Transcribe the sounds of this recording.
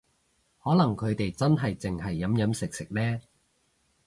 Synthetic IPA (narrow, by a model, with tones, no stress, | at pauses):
hɔː˨˥lɐ˨˩ŋkʰɵ˨˧ɥt̪e˨jt͡sɐ˥nɦɐ˨jt͡sɪ˨ŋɦɐ˨jːɐ˨˥mjɐ˨˥msɪ˨k̚sɪ˨k̚lɛː˥